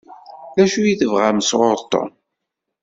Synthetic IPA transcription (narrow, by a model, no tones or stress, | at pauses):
ðæʃujiθəvʁaməsʁʊɾt̪ˤːo̰n